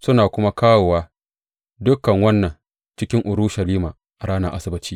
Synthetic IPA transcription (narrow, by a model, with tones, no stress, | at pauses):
sʊ˦naː˨kʷʊ˦ma˦kaː˦wo˨waː˦ | dʊ˦kːɐ˨ŋwɐ˦nːɐ˨ŋ | t͡ʃɪ˦kʲɪ˦ŋʔʊ˨ɾʊ˦ʃɐ˨liː˦maː˨ | ʔa˨ɽaː˦na˦ʔa˦sɪ˦bɪ˦t͡ʃiː˦